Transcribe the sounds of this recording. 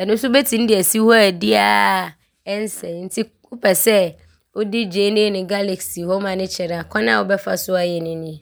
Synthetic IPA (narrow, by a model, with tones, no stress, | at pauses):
ɛ˨nʊ̃˦sʊ˦bɛ˦tʰĩ˨n̩˦dɪ˨ɛ˨si˦hɔ˦ɛ˨dɪ˦a˨ | ɛ˦n˦sɛ̃˨n̩˦tʰi˦ | ʊ˦pʰɛ˨sɛ˦ | o˦dɪ˦d͡ʑeː˦nɪ̃˦e˦nɪ̃˨ɡa˦le˨ksi˨ho˦mã˨nɪ̃˦t͡ɕʰɛ˨ɾa˨kʰɔ̃˦nã˦˨wo˨˦bɛ˦fa˨sʊ˦a˨jɛ˨nɪ̃˦nɪ̃˦